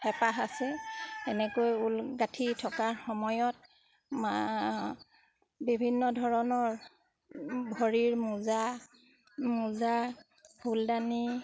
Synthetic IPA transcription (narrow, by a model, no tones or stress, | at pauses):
xɛpaxasɛɛnɛkojulɡatʰitʰɔkaɹxɔmɔjɔt̚ | ma | bibʱinːɔdʱɔɹɔnɔɹ | bʱɔɹiɹmuza | muza | bʰʱuldani